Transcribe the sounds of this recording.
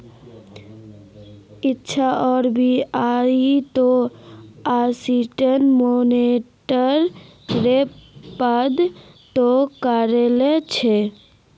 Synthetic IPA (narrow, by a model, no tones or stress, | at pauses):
ɪtːt͡ʃʰaɔːɾbʱiait̪o | asiʈənmoneʈəɾ | ɾepad̪ | t̪okəɾelet͡ʃʰe